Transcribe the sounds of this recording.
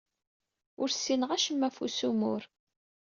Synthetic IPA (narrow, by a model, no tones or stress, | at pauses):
ʊɾsːinəʁæʃəmːæfusumʊɾ